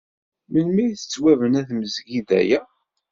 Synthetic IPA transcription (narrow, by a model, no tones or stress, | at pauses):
mənmiθə̥t͡sːwævənæθməzɡiðæ̰jæ